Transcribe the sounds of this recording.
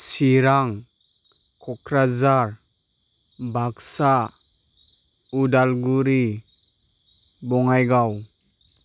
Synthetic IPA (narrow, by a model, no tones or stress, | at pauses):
siɾaŋ | kʰɔkʰɾazaɾ | baksa | udalɡuɾi | bɔŋajɡaw